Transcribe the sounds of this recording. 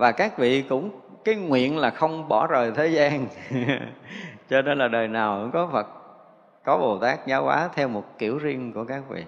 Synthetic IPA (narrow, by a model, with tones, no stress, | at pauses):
vaː˨˩kaː˦˥k̚vḭ˧˨kʊ̰˧˥ŋ͡m | kaː˨˦jŋwḭ˧˨ənlaː˨˩xə˧wŋ͡mɓɔ˧˩zəː˨˩jt̪ʰe˨˦zaː˧n | t͡ɕɔ˧ne˧nlaː˨˩ɗəː˨˩jnaː˨˩wʔʊ̰˧˥ŋ͡mkɔ˨˦fə˨˩t̚ | kɔ˨˦ɓo˨˩t̪aː˦˥k̚zaː˨˦wkwa̰ː˨˦t̪ʰɛ˧wmo˨˩t̚ki˧˩əwzi˧ənku˧˩əkaː˦˥k̚vḭ˧˨